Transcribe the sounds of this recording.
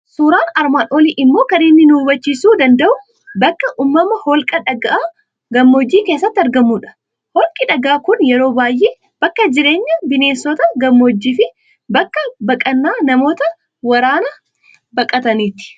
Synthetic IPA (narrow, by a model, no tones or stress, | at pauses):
suːɾaːnɐɾmaːᶑoːliːʔɪmːo̞ːkɐnɪnːɪnuːbɐt͡ʃːisuːd̪ɐnd̪ɐʔʊ | bɐkːɐʔuːmːɐmɐhɔlkʼɐᶑɐɡɐʔaː | ɡɐmːo̞ːd͡ʒːiːke̞ːsːɐt̪ːɐɾɡɐmːuːᶑɐ̥ | hɔlkʼɪᶑɐɡaːkʊnjɛɾoːbaːjʔeː | b̥ɐkːɐd͡ʒɪɾe̞ːɲːɐbɪne̞ːsːɔt̪ɐɡɐmːo̞ːd͡ʒːiːfɪ | bɐkːɐbɐkʼɐnːaːnɐmo̞ːt̪ɐ | wɐɾaːnɐ | bɐkʼɐt̪ɐniːt̪ɪ̥